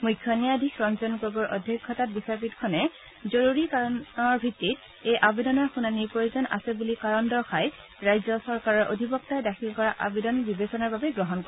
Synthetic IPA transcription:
mujkʰːjɔnijadʱikɹɔnzɔnɡɔɡɔɹʔɔ̰dʱjɔkʰːɔtat̚bisaɹpitkʰɔnɛ | zoɹuɹikaɹɔnɔɹbʱitːit | ejʔabedɔnɔɹxunaniɹpojuzɔnʔa̰sɛbulikaɹɔndɔɹxaj | ɹajzɔsɔɹkaɹɔɹʔo̰dʱibɔk̚tajdaxʰilkɔɹaʔabedɔnbibesɔnaɹbabɛɡɹɔɦɔnkɔ

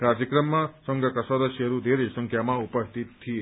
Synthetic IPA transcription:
ɾaɾd͡ʒɐkɾɐmːɐsɔŋɡɐkɐsad̪ɐsjɐɾud̪eːɾesɐŋkʰjamaupɐst̪ʰit̪̚ʰːije

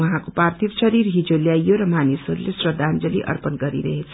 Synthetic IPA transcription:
wʌɦãkopart̪ʰiksʌɾiɾɦid͡zoljajoɾʌmanisoɾulesrʌd̪ʱand͡zʌlḭʔʌ̰rpʌnɡʌɾḭɾʌ̰ɦet͡sʰʌ̥

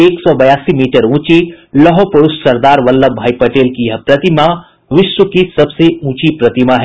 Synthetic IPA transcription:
eːksɔːbɐjaːsimiːʈəɾũːt͡ʃilɐɦɔpɐɽussɐɾd̪aːɾʋɐlːəbʱaːipɐʈeːlkijɐɦpɾɐt̪ima | ʋɪʃʋəkisɐbseũːt͡ʃipɾɐt̪imaɦɛ

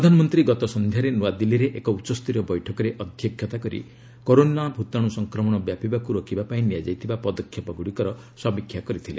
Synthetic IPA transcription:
pɾɔd̪ʱanɔmɔnt̪ɾiɡɔt̪ɔsɔnd̪ʱjaɾenuad̪iliɾeʔekɔut͡ʃɔst̪iɾɔbɔjʈʰɔkɔɾeʔɔd̪ʱjɔkʰjɔt̪akɔɾḭ | koɾonabʱut̪aɽ̃usɔŋkɾɔmɔɽ̃ɔbjapibakuɾokʰibapaĩnijad͡ʒajt̪ʰibapɔd̪ɔkʰːjɔpɔɡuɽikɔɾɔ | sɔbikʰːjakɔɾit̪ʰilḛ

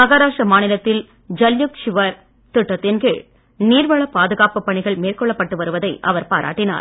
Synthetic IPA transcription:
mɐɣaːɾaːʂɐmaːnɪlɐt̪ːɪl | d͡ʒɐljʊkʂɪʋɐɾ | t̪ʊʈːɐt̪ːɪnɡɪɭ | niːɾʋɐɭɐpaːðɯɣaːpɯpːɐɳɪɣɐɭmeːrkɔɭːɐpːɐʈːɯʋɐɾɯʋɐðɐɪʔɐʋɐɾpa̰ːɾʔa̰ːʈːɪna̰ːɾ

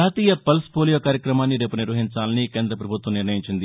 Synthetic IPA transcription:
aːt̪iːjɐpɐlspoːlijoːkaːɾjɐkɾɐmaːnːiɖepːuniɾʋɐɦiɲt͡ʃaːlɐnikeːnd̪ɾɐpɾɐbʱut̪ʋɐmniɾnɐjiɲt͡ʃind̪i

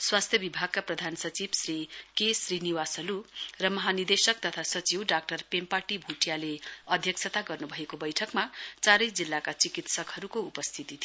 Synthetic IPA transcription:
swast̪ʰjʌbibʱaɡ̚kaprʌd̪ʱansʌt͡sibsrikesriniwasʌlurʌmʌɦanird̪esʌk̚t̪ʌt̪ʰasʌt͡siwɖak̚ʈʌrpempaʈibʱuʈjaleʌd̪ʱjʌk̚sʰʌt̪aɡʌrnubʱʌekobʌjʈʰʌkmat͡saɾʌjd͡zilːakat͡sikit̪sʌkɦʌɾukoupʌst̪ʰit̪it̪ʰ

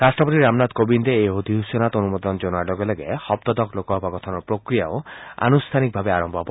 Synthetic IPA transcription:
ɾasʈɾɔpot̪iɾamnad̪kobind̪eeɦod̪ʱiɦusjɔnat̪onumɔd̪ɔnd͡ʒonɔaɾɖɔɡɔleɡehɔp̚t̪ɔd̪ɔklokɔɦɔbakɔt̪ʰɔnɔpɾokɾijaoa̰nust̪ʰanik̚bʱabeaɾɔmbʱɔpɔ

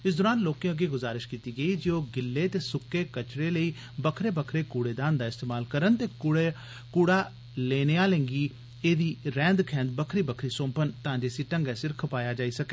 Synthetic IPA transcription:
ɪsd̪ʊːɾaːnloːkẽəɡeːɡʊzaːɾɪʃkiːt̪iːɡəiːd͡ʒeoːɡɪlːeːt̪eːsʊkːeːkət͡ʃɾeːləiː | bəkʰɾeːbəkʰɾeːkuːɽeːd̪ãːnd̪aːɪst̪eːmaːlkəɾənt̪eːkːɽ | kuːɽaː | leːneːaːlɛ̃ːŋɡiː | eːd̪iːɾɛ̃ːnd̪kʰɛ̃ːnd̪̚bəkʰɾiːbəkʰɾiːsõːmpənt̪əãːd͡ʒeːsiːʈəŋɡɛːsɪɾkʰpaːjaːd͡ʒaːiːsəkeː

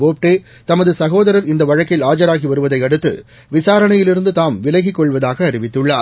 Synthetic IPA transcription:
oːp̚ʈeː | t̪ɐmɐðɯsɐɣoːðɐɾɐɾɪnd̪ɐʋɐɻɐkːɪlaːd͡ʒɐɾaːɣiʋɐɾɯʋɐðɐɪɐɽɯt̪ːɯ̰ | ʋɪsaːɾɐɳɐjɪlɪɾɯnd̪ɯt̪aːmʋɪlɐɣɪkːɔɭʋɐðaːɣɐːɾɪʋɪt̪ːɯɭːaːɾ

